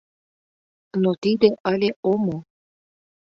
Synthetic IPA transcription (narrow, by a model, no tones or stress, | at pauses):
not̪id̪eʔɑlʲeʔomo